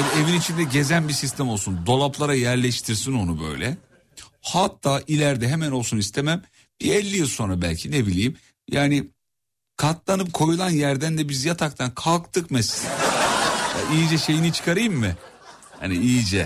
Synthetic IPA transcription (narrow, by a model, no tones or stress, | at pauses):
ed̪ie̞vinit͡ʃʰind̪ɛɟe̞zænbisist̪ʰæmolˠsund̪o̞lˠaplˠaɾajæɾlʲɛʃt̪ʰiɾsino̞nubø̞̰jlʲɛ̰ | hat̪ʰːaːʔilʲæɾd̪ɛɦemæno̞lˠsunist̪ʰemæm | b̥iɛlʲːijilˠso̞nɾabælʲcʰinebilʲijm | jaːnɪ | kʰat̪lˠanɯp̚kʰo̞julˠanjæɾd̪ænd̪ɛbizjat̪ʰak̚t̪ʰankʰalˠkt̪ʰɯkmɛsin | ja̰ʔijid͡ʒɛʃe̞jinit͡ʃʰɯ̥kʰaɾɯjɯmːɪ | ha̰niijid͡ʒɛ